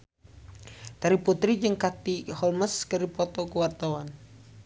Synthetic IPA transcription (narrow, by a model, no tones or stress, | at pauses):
t̪aɾiput̪ɾid͡ʒɨŋkat̪ihɔlməskəɾipɔt̪ɔkuwart̪awan